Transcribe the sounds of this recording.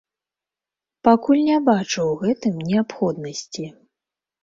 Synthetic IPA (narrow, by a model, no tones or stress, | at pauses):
pakulʲnʲabat͡ʂɐwɣɛt̪ɨmnʲɛapxɔd̪nɐsʲt͡sʲi